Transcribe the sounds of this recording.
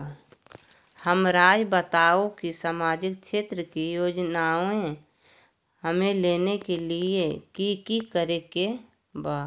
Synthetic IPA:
həmɾaːd͡ʒbət̪aːokisaːmaːd͡ʒɪkʃʰeːt̪ɾəkijoːd͡ʒnaːoẽ | həmẽleːnekeliekikikəɾeke | baː

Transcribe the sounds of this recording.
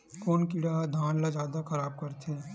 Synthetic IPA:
koːnkɪɽad̪ʱaːnlad͡ʒjaːd̪akɐɾaːb̚kɐɾt̪eɛ̃

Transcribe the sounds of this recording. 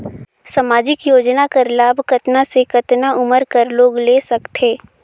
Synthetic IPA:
samaːd͡ʒɪkjoːd͡ʒnakəɾlaːbkɐt̪nasekɐt̪naʔʊməɾkəɾloːɡleːsɐkt̪ʰeː

